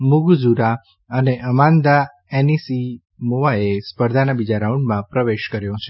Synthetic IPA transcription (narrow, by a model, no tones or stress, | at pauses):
mʊɡd͡ʒuɾa | əneʔəmãnd̪a | enisi | moʋaespəɾd̪ʱanabid͡ʒaɾaũɳɖmãpɾəʋeʃkəɾjõt͡ʃʰe